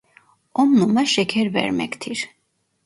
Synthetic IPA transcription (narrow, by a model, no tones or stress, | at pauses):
ɔmnumaʃɛkʰɛɾvɛ̰ɾmɛ̰kt̪ʰiɾ